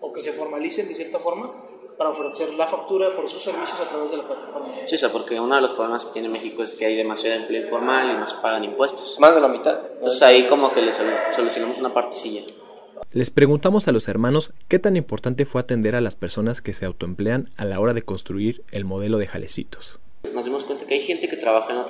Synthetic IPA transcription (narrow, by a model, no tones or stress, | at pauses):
oke̞se̞fo̞ɾmalisend̪esjeɾt̪afo̞ɾma | paɾaofɾe̞se̞ɾlafak̚t̪uɾapoɾsusːe̞ɾβisjo̞sat̪ɾaβe̞zðe̞laplat̪afo̞ɾmasisapo̞ɾkeunoðelospɾoβlemasket̪jenemexikoeskeajðe̞masjaðoemple̞ifo̞ɾmalinose̥paɣanimpwe̞st̪o̥smazðelamit̪aðosaiko̞mokelesosolusjonamosunapaɾt̪esiʝa | le̞spɾe̞ɣunt̪amo̞salose̞ɾmãno̞ske̞t̪animpo̞ɾt̪ant̪e̞fwe̞at̪e̞nd̪e̞ɾalaspe̞ɾsonaske̞se̞awt̪oe̞mple̞analao̞ɾaðe̞ko̞nst̪ɾuiɾ | e̞lmo̞ð̞e̞lo̞ðe̞xa̰lʔe̞̰sḭt̪o̥s | no̞zðimoskwent̪ḁkeajxe̞nt̪e̞ke̞t̪ɾaβaxaenot̪